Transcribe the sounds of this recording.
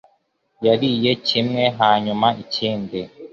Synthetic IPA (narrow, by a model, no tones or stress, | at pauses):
jaɾije̞cimŋe̞ɦaːɲumaʔiciːnde